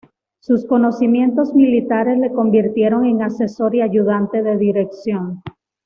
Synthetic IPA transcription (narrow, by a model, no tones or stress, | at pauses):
susko̞no̞simje̞nt̪o̞zmilit̪aɾe̞sle̞ko̞mbiɾt̪je̞ɾo̞ŋe̞ŋase̞so̞ɾiaʝuðant̪e̞ðe̞ðiɾe̞ksjo̞ŋ